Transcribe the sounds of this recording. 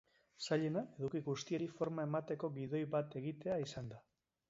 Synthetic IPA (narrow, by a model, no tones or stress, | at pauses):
saʎe̞nae̞ð̞ukiɣust̪ie̞ɾifo̞ɾmae̞mat̪e̞ko̞ɣiðo̞jβat̪e̞ɣit̪e̞aisand̪a